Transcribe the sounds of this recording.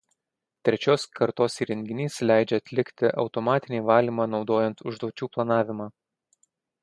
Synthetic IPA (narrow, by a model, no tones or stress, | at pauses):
t̪ʲɾʲɛt͡ʃʲoːskɐɾt̪oːsiːɾʲɛŋʲɡʲɪnʲiːslʲæˑɪd͡ʒʲɛɐt̪ʲlʲɪkʲt̪ʲɪʔɒʊt̪ɔmɑːt̪ʲɪnʲeːʋɑːlʲiːmɑːnɒʊd̪oːjɛnt̪ʊʒd̪oːt͡ʃʲuːplˠɐnɑːʋʲɪmɑː